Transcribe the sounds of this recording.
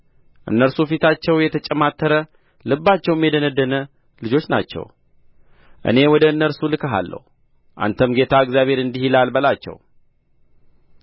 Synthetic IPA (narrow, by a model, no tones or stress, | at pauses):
ʔɨ̰nːəɾsufit̪at͡ʃːɛwjɛt̪ʰət͡ʃʼɛmat̪ʰːəɾə | lɨbːat͡ʃːɛwmjɛd̪ənəd̪ːənə | lɨd͡ʒo̞t͡ʃːna̰t͡ʃːɛ̰w | ʔɨ̰ne̞wɔd̪əɨnːəɾsulɨkʰəɦa̰lːə̰hu | ʔa̰nt̪ʰəmɡe̞t̪ʰaɨɡzjaβhe̞ɾɨnd̪ihilalbəlat͡ʃːɛ̰w